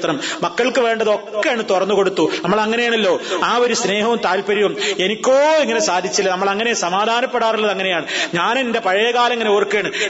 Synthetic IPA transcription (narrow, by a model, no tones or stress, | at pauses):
t̪rɐmmɐkːɐɭkɨʋe̞ːɳɖɐðo̞kːejaːɳɨt̪urɐnːuko̞ɽut̪ːunɐmːɐɭɐŋːɐnejaːɳɐlːo̞ːaːo̞ɾusne̞ːɦɐʋumt̪aːlpɐɾiʋume̞nikʲːoːiŋːɐne̞saːd̪ʱit͡ɕːilːɐnɐmːɐɭɐŋːɐnesɐmaːd̪ʱaːnɐpːeɽaːrilːɐðɐŋːɐne̞jaːɳɨɲaːninde̞pɐɻɐjɐkaːlɐŋːɐneorkːeːɳɨ